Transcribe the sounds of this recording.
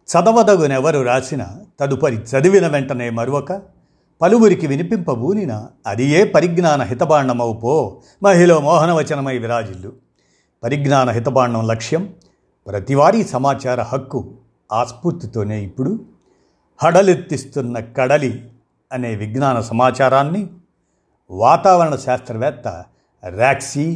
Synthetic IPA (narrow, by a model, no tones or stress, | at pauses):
t͡ʃɐd̪ɐʋɐd̪ɐɡunɛʋɐɾuɾaːsinɐ̰t̪ɐd̪upɐɾit͡ʃɐd̪iʋinɐʋɛɳʈɐne̞ːmɐɾuʋɐkɐ | pɐluʋuɾikiʋinipimpɐbʱuːninɐːd̪ijeːpɐɾiɡnaːnɐɦit̪ɐbaːɳːɐmɐwupoː | mɐɦiloːmɔːɦɐnɐʋɐt͡ʃɐnɐmɐjʋiɾaːd͡ʒilːu | pɐɾiɡnaːnɐɦit̪ɐbaːɳːɐmlɐkʂjɐm | pɾɐt̪iʋaːɾiːsɐmaːt͡ʃaːɾɐhɐkːu | aːspuɾt̪ːit̪o̞ːne̞ːipːuɽu | hɐɽɐliɾt̪ːist̪unːɐkɐɽɐli | ɐne̞ːʋiɡnaːnɐsɐmaːt͡ʃaːɾaːnːi | ʋaːt̪aːʋɐɾɐɳɐʃaːst̪ɾɐʋɛːt̪ːɐ̰ | ɾaːksi